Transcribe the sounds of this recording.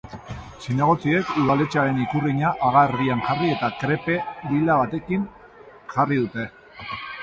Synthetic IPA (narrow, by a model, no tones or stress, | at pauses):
sinaɣ̞o̞t͡sie̞kuðale̞t͡saɾe̞nikuriɲaʔaɣarðianʝarie̞t̪akɾe̞pe̞d̪ilaβat̪e̞kin | ʝariðut̪e̞